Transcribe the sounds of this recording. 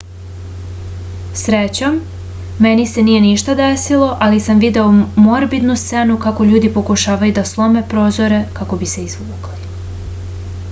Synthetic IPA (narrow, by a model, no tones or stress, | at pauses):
sɾet͡ɕomː | e̞nise̞nije̞niʃt̪ad̪e̞silˠo̞ʔalisamʋid̪e̞omo̞ɾbid̪nust̪se̞nukako̞ʎuːd̪ipo̞kuʃaːʋajud̪aslˠo̞me̞pɾo̞ːzo̞ɾe̞kako̞bise̞izumukli